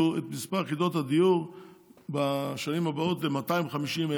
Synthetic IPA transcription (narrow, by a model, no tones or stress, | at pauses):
uet̪mispaʁkido̞thad̪ijuʁ | baʃanimabaot̪lematajmχamiʃime